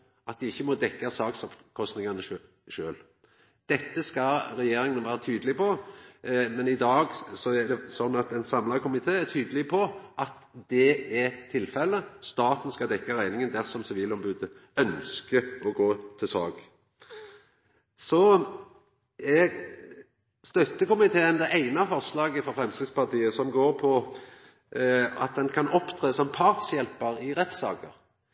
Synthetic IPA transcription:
ɑt̪̚d̪ɪɪçːəmɔd̪ɛkːɑsɑːɡsɔpkʰɔst̪nɪŋɑnə | ʃøːl | d̪̥ɛt̪ːəskɑɾɛjeːɾɪŋənʋæːɾət̪ʰyːd̪əlɪpʰɔ | mɛnɪd̪ɑːɡsɔæd̪ɛsɔnːɑt̪ɛnsɑmlɑkʰʊmɪt̪ʰeːɛɾt̪ʰyːd̪əlɪpʰɔʔɑt̪ | d̪ɛɛɾt̪ʰɪlfɛlːəst̪ɑːt̪ənskɑd̪ɛkːɑɾæɪnɪŋənd̪æɾsɔmsɪʋiːlɔmbʉd̪ə | œnskəɔɡoːt̪ʰɪlsɑ̰ːɡ | sɔ | ɛɡ | st̪œt̪ːəkʊmɪt̪ʰeːənd̪ɛʔæɪnɑfɔslɑːɡəfɔfʁɛmskɾɪspɑt̪iːəsɔmɡoːɾpʰɔ | ɑ̰t̪̚d̪ɛnkʰɑnɔpt̪ʰʁeːsɔmpʰɑʁt̪sjɛlpɑɾɪɾɛt̪sɑ̰ːkəɾ

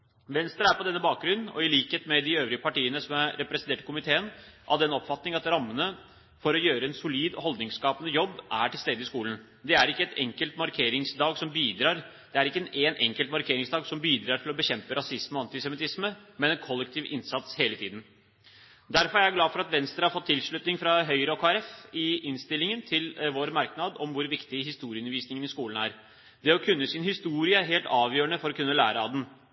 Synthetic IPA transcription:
ʋɛnst̪ɾəæɾpɔd̪ɛnːəbɑːk̚ɡɾʉnːɔ̰ɪliːkheːt̪mɛd̪ɪøːʋɾɪəpʰɑʈiːənəsɔmæɾɛpɾɛsnt̪eːʈəkʰʊmɪt̪ʰeːənʔɑ̰ʋd̪ɛnɔpfɑt̪nɪŋɑt̪ɾɑmːənə | fɔɾɔjøːɾəɛnsʊliːd̪ɔ̰hɔld̪nɪŋskɑːpənəjɔbːʔæʈʰɪlst̪eːd̪əɪskuːlən̩ | d̪ɛæɾɪkːəɛt̪ɛŋkəlt̪mɑɾkʰeːɾɪŋsd̪ɑːɡsɔmbiːd̪ɾɑːɾ | d̪̥ɛæɾɪkːəɛnʔeːnʔɛŋkəlt̪mɑɾkʰeːɾɪŋsd̪ɑːɡsɔmbiːd̪ɾɑːɾʈ̪ʰɪlɔbəçɛmpəɾɑsɪsməɔɑnt̪ɪsɛmɪt̪ɪsməmɛnɛnkʰɔlːɛkt̪ʰiːʋʔɪnsɑt̪sheːlət̪ʰiːd̪n̩ | d̪æɾfɔɾæɾæɡlɑːfɔɾɑt̪ʋɛnst̪ɾəhɑɾfɔt̪ʰːɪlʂɭʉt̪nɪŋfɾɑɦœʏɾəɔkʰoːæɾɛfɪɪnst̪ɪlɪŋənt̪ʰɪlʋoːɾmɑɾknɑd̪ɔmʋʊɾʋɪkt̪ɪɦɪst̪uːɾɪʉnəɾʋiːsnɪŋənɪskuːlən̩æɾ | d̪ɛɔkʰʉnːəsɪnhɪst̪uːɾɪəɦeːlt̪ɑːʋjøːəɳəfɔɾɔkʉnːəlæːɾəɑd̪ɛn

